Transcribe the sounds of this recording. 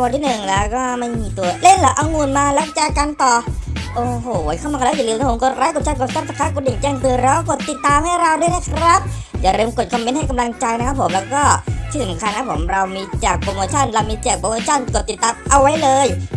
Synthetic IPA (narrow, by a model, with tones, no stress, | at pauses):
a˧wa˧nt̪ʰiː˥˨˩nɯ˨˩ŋlɛː˦˥wkɔː˥˩ma˥˩jmiː˧t̪u˧ɐle˥˩nlɛː˦˥wʔa˧wŋuː˧nmaː˧lɛː˦˥wt͡ɕaː˨˩ka˧nt̪ɔː˨˩ʔoː˨˩hoː˨˩˦kʰa˥˩maː˧˥˩jlɯː˧˦˧a˥pmko˨˩t̪̚ɾa˦˥jko˨˩t̪̚t͡ɕa˧˥˩nko˨˩sɔ˧˥˩t̪sa˧˩kʰa˦˥ko˨˩t̪̚a˨˩ŋt͡ɕa˧ŋt̪ɯ˧ɾɛː˦˥wa˥˩ko˨˩t̪ːi˨˩t̪ːaː˧mha˥˩jɾa˧wdu˥˩əjna˥˩kʰɾa˦˥p̚ | jaː˨˩ɾe˧mko˨˩t̪̚kʰɔ˧mːe˦˥ntha˥˩jka˧mla˧ŋt͡ɕa˧jna˦˥kʰa˦˥pʰːo˩˦mlɛː˦˥wkɔː˥˩t̪ʰiː˥˩sa˩˦mkʰa˧nːa˦˥pʰo˩˦mɾa˧wmiː˧t͡ɕaː˨˩k̚pɾo˧moː˧t͡ɕʰɔ˥˩nɾa˧wmiː˧t͡ɕaː˨˩k̚pɾo˧moː˧t͡ɕʰɔ˥˩nko˨˩t̪ːi˨˩t̪ːaː˧mʔa˧wːa˦˥jlɤː˧j